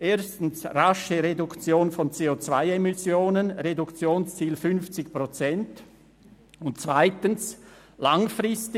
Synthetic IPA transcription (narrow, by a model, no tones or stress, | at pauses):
ʔeːɐstn̩sraʃəʁedukt͡sjoːnfɔnt͡seːot͡sv̥aɪemɪsjoːnənɾedukt͡sjoːnst͡siːlfʏnft͡sɪçpʁot͡sɛnt | ʊntt͡svaɪtəns | laŋfrɪst